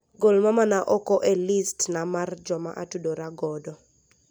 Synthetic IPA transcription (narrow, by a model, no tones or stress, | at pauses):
ɡolmamanaʔɔkɔʔelistnamard͡ʒɔma̰ʔatudoɾaɡɔdɔ